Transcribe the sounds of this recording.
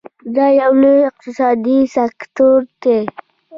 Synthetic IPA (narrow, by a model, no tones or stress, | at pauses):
d̪ɑjawnoɪq̚t̪ɪsɑd̪isakt̪oɾd̪e